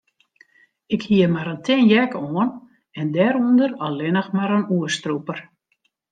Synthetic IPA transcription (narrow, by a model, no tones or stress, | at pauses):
ɪkhiəmaɾəntʰɪnjɛkoːən | ɛndɛɾundərɔlɪnəxmaɾənuəstrupər